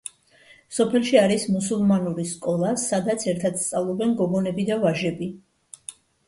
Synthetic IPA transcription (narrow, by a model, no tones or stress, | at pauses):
sɔpʰɛlˠʃiaɾismusulˠmanuɾiskʼɔlˠasad̪at̪sʰɛɾt̪ʰad̪̥st̪sʼavlˠɔbɛnɡɔɡɔnɛbid̪avaʒɛbi